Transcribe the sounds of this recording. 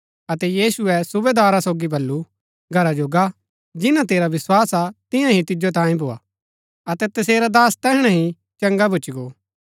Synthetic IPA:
ɐt̪ɛjiːsʊɛsʊbed̪aːɾasoːɡibɐlːu | ɡʱɐɾad͡ʒoɡa | d͡ʒɪnãt̪eːɾaʋɪswaːsat̪ɪ̃jãɦĩt̪ɪd͡ʒot̪ãːĩbʱoːa̰ː | ɐt̪ɛt̪ɐseːɾad̪aːst̪ɛɦɽ̃ɛ̃ɦĩ | t͡ʃɐ̃ŋɡabʱʊt͡ʃɡoː

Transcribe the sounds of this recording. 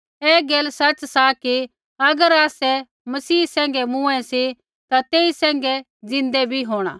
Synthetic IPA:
eːɡeːlsɐt͡ʃsaki | ɐɡəɾaːsɛ | mɐsiːsɛ̃ːŋ̆ɡɛmũɛ̃si | t̪at̪eːisɛ̃ːŋ̆ɡɛ | d͡zɪ̃nd̪ɛbʱiɦoːɽ̃a̰ː

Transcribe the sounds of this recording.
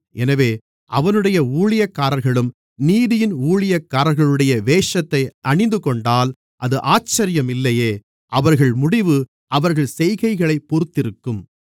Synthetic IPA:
ʔɛnɐʋeː | ʔɐʋɐnɯɽɐjɐuːɭɪjɐkːaːɾɐɾɣɐɭɯm | niːðɪjɪnuːɭɪjɐkːaːɾɐɾɣɐɭɯɽɐjɐʋeːʂɐt̪ːɐɪʔɐɳɪnd̪ɯkɔɳɖaːl | ʔɐðɯʔaːt͡ʃːɐɾɪjɐmɪlːɐjeː | ʔɐʋɐɾɣɐɭmʊɽɪʋɯ | ʔɐʋɐɾɣɐɭsɛjɣɐɪɣɐɭɐɪpːɔɾɯt̪ːɪɾɯkːɯm

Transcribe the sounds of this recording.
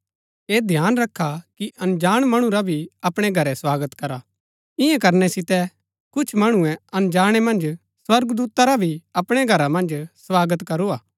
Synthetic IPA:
eːd̪ʱjaːnɾɐkʰːakiʔɐ̃nd͡ʒaːɽ̃mɐɽ̃ũɾabʱiɐpɽ̃ɛɡʱɐɾɛswaːɡət̪kɐɾa | ɪ̃jɛ̃kɐɾnɛsɪt̪ɛ | kʊt͡ʃʰmɐɽ̃ũɛ̃ɐ̃nd͡ʒaːɽ̃ɛmɐ̃nd͡ʒ | swɐɾɡd̪uːt̪aɾabʱiɐpɽ̃ɛɡʱɐɾamɐ̃nd͡ʒswaːɡət̪kɐɾoaː

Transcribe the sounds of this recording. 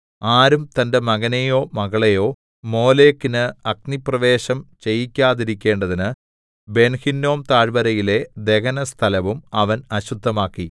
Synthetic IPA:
aːɾumt̪ɐnde̞mɐɣɐnejo̞ːmɐɣɐɭejo̞ː | mo̞ːleːkːinɨɐk̚niprɐʋe̞ːɕɐmt͡ɕe̞jikʲːaːðiɾikʲːe̞ːɳɖɐðinɨ | be̞nhinːo̞ːmt̪aːɻbɐɾɐjile̞d̪e̞ɣɐnɐst̪ʰɐlɐʋumɐʋɐnɐɕud̪ʱːɐmaːkːi

